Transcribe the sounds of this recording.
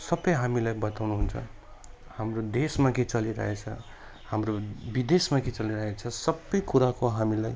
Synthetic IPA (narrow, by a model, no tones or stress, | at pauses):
sʌbːʌjɦamilajbʌt̪awnuɦunt͡sʰʌ̰ | hamrod̪esmaket͡sʌliɾʌ̰ɦet͡sʰʌ̰ | hamrobid̪esmaket͡sʌliɾʌɦet͡sʰʌsʌbːʌjkuɾakoɦamilaj